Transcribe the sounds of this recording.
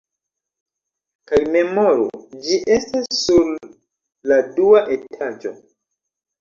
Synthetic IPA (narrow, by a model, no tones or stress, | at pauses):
kajme̞mo̞ɾṵd͡ʒiʔe̞stasːuɾ | laduaʔe̞tʰad͡ʒo̞̰